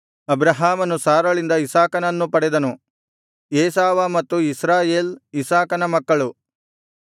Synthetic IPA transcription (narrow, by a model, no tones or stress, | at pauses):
ɐbɾɐɦaːmɐnusaːɾɐɭind̪ɐisaːkɐnɐnːupɐɽɛd̪ɐnu | eːsaːʋɐmɐt̪ːuisɾaːjeːlisaːkɐnɐmɐkːɐɭu